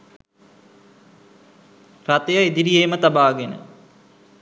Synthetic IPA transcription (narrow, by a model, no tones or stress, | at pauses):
rat̪əjəed̪iɾijeːmət̪abaːɡenə̰